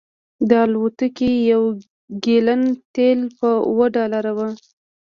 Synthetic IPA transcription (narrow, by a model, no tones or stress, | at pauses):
d̪əɑlwot̪əkijaw | ɡelənt̪elpəwəɖɑlaɾawa